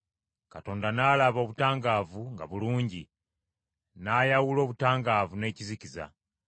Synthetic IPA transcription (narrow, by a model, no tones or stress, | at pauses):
kato̞ːndanaːlaβo̞βutaːŋɡaːvuŋɡa̰βuluːɲɟi | najawulo̞ːβutaːŋɡaːvune̞ːciziciza̰